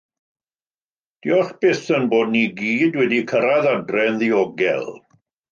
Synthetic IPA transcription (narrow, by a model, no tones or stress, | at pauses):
d̥iɔχb̥ɪθənboːd̚niɡiːdwɛdikʰəɾaðadrɛnðiɔɡɛ̰lˠ